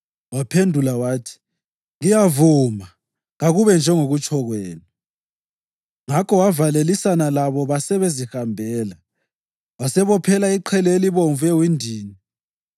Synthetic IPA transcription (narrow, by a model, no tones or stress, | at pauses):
wapʰendʱulawaːtʰi̥ | ɣijavuːma | ŋaɣuβɛnd͡ʒʱɛŋoɣut͡ʃʰʼɔɣwɛːnɔ | ŋakʰɔwavalelisanalaβɔβasɛβezihambʱɛːla | wasɛβɔpʰɛlaiǃʰɛleliβoɱvɛwindʱiːni